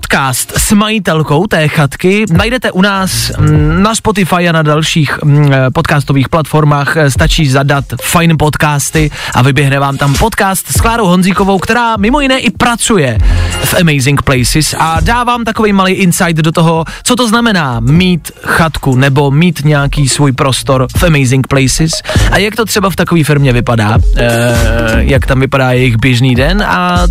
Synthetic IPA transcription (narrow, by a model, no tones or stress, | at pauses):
pot̪kaːst̪smajɪt̪ɛlko̞wt̪ɛːxat̪kɪnajdɛt̪ɛʔunaːsnaspo̞t̪̬ɪfajanadalʃiːxpot̪kaːst̪o̞viːxplat̪fo̞ɾmaːxst̪at͡ʃiːzadat̪fajnpo̞t̪kaːst̪ɪʔa̰vɪbjɛɦnɛvaːmt̪ampo̞t̪kaːst̪sklaːɾowɦonziːko̞vo̞wkt̪ɛɾaːmɪmo̞jɪnɛːʔɪpɾat͡sujɛfʔɛmɛjzɪŋkplɛjsɪsʔadaːvaːmt̪ako̞vijmalejʔɪnsajt̪dot̪oɦot͡sot̪o̞znamɛnaːmiːt̪ | xat̪kunɛbo̞miːt̪ɲɛjakiːsvuːjpɾo̞st̪o̞ɾfʔɛmɛjzɪŋk̚plɛjsɪsʔajakt̪o̞t̪r̝̥ɛbaft̪akoviːfɪɾmɲɛvɪpadaː | jakt̪amvɪpadaːjɛjɪɣbjɛʒniːdɛnʔa̰